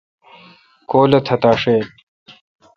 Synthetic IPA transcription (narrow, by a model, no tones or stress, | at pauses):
koːlɐt̪ʰɐt̪aːʂeːt̪̚